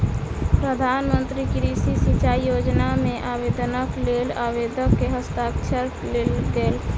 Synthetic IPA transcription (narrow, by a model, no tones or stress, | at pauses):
pɾəd̪ʱaːnmə̃nt̪ɾikiɾisisit͡ʃaːijoːd͡ʒnamẽʔaːbeːd̪ənəkleːlaːweːd̪ʱəkːeɦəst̪aːkt͡ʃʰəɾ | leld̪eːl